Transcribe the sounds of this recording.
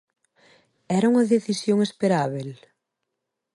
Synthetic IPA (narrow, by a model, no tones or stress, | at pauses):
ɛɾɐuŋɐðeθisjoŋespeɾaβel